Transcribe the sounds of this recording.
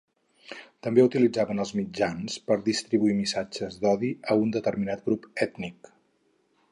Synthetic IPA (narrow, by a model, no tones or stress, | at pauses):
t̪əmbeut̪ilid͡zaβənəlˠzmid͡ʒanspəɾðist̪ɾiβuimisad͡ʒəzd̪ɔðiəund̪ət̪ərminat̪̚ɡɾupɛt̪nik